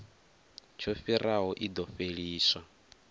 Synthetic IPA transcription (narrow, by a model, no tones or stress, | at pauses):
t͡ʃʰofiɾʔaɦɔʔid̪ɔfeɺiːsa